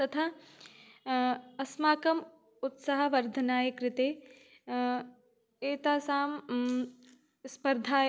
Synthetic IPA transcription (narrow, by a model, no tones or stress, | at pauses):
t̪ɐt̪ʰa | ɐsmaːkɐm | ʊt̪sɐɦɐ̆ʋɐɾd̪ʱɐnaːjɐkɾɪt̪eː | eːt̪aːsaːm | spɐɾd̪ʱaː